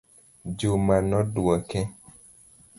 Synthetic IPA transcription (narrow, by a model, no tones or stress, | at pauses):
d͡ʒomanɔduɔkɛ